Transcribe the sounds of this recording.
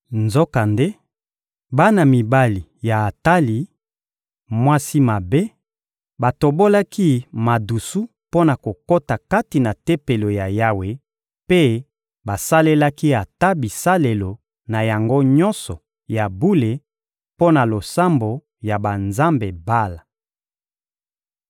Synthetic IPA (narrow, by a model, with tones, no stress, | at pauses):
nzo˦ka˨nde˦ | ba˦na˨mi˨ba˦li˨ja˨a˨ta˦li˨ | mwa˦si˦ma˨be˦ | ba˨to˨bo˦la˦ki˦ma˨du˨su˦ | po˦na˨ko˨ko˦ta˨ka˦ti˨na˨te˦pe˨lo˨ja˨ja˦we˨ | pe˦ | ba˨sa˦le˦la˦ki˦a˨ta˦bi˨sa˦le˨lo˨ | na˨ja˨ŋɡo˦ɲɔ˦nsɔ˨ | ja˨bu˦le˨ | po˦na˨lo˨sa˦mbo˨ | ja˨ba˨nza˦mbe˨ba˦la˨